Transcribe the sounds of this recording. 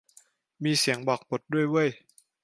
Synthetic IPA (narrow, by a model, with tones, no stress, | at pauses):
miː˧si˩˦əŋbɔː˨˩k̚po˨˩t̪̚du˥˩əjwu˥˩əj